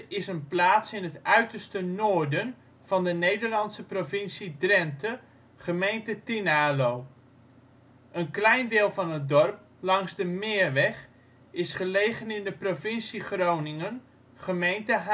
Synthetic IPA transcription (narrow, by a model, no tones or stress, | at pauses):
ɪsənplaːtsɪnɦətʔœɥtərstənoːɹdən | v̥ɑndənejdəɹlɑntsəprovɪnsidrɛntə | χəmejntətinaːlow | ʔənklɛjndɪːlˠvɑnɦət̚dɔrp̚ | lɑŋsdəmɪːrʋɛχ | ɪsχəlejχənɪndəprovɪnsiχrownɪŋən | χəmejntəɦ